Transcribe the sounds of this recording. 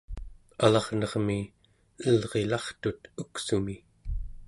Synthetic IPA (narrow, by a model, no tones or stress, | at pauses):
alɑʁnʌʁmi | əlʁe̞lɑχt̪ut̪uksumi